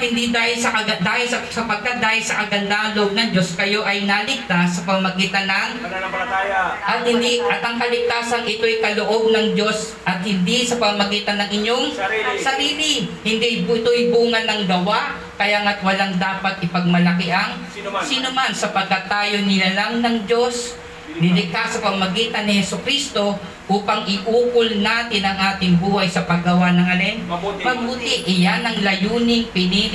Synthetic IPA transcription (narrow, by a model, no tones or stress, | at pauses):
hɪnd̪id̪aːhɪlsɐkɐd̪aːhɪlsɐsɐpɐɡ̚kat̪̚d̪aːhɪlsɐkɐɡɐnd̪aʔɐŋloʔoɡ̚nɐŋd͡ʒo̞skɐjo̞ʔɐjnɐlɪɡ̚t̪asːɐpɐmmɐɡiːt̪ɐnɐŋ | ʔɐt̪̚hɪnd̪iʔɐt̪ʔɐŋkɐlɪɡ̚t̪aːsɐŋʔɪt̪o̞jkɐloʔo̞b̚nɐŋd͡ʒo̞s | ʔɐt̪̚hɪnd̪isɐpɐmmɐɡiːt̪ɐnːɐŋʔɪɲo̞ŋsɐɾiːlɪhɪnd̪ijbɪt̪ojbuːŋɐnːɐŋd̪ɐwa | kɐjaːŋat̪wɐlaŋd̪aːpat̪ʔɪpɐɡ̚mɐlɐkɪʔɐŋ | siːnʊmansɐpɐɡ̚kːat̪aːjonɪlalaŋnɐŋd͡ʒo̞s | d̪ɪlɪk̪asɐpɐmɐɡiːt̪ɐnːɪhɛsʊkɾist̪o̞ | ʔuːpɐŋɪʔuːkʊlnaːt̪ɪnɐŋʔaːt̪ɪŋbuːhajsɐpɐɡɡɐwanɐŋɐlɛnmɐbut̪ɪʔɪjanɐŋlɐjuːnɪŋpɪniː